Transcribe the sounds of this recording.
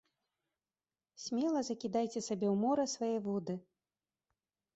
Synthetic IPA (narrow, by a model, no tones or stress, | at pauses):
sʲmʲɛlˠɐzɐkʲid̪ajt͡sʲɛsabʲɛwmɔɾɐsvajɛvɔd̪ɨ